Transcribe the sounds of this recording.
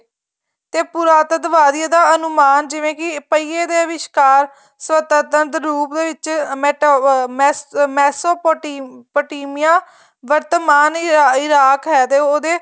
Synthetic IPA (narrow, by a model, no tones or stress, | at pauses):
t̪eːpuɾaːt̪d̪əʋaːd̪ieːd̪aːənʊmaːnd͡ʒɪʋẽːkɪpəiːeːd̪eːəʋɪʃkaːɾ | sʋət̪əɾt̪ənd̪ɾuːpd̪eːʋɪt͡ʃmɛːʈːmːmɛːsoːpːpoːʈiːmɪjãː | ʋəɾt̪əmaːnɪɾaːkɦɛːt̪eːoːd̪eː